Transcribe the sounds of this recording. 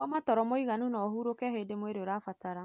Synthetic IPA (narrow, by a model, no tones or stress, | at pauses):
ɔmatɔɾɔmoiɣanunɔɦuɾokɛhedemweɾeoɾafataɾa